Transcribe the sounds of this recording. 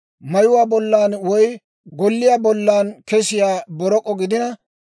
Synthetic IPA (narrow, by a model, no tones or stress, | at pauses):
mɐjʊwaːbɔlːaːnwɔj | ɡɔlːɪjaːbɔlːaːnkɛsɪjaːbɔɾɔkʼːɔɡɪd̪ɪnɐ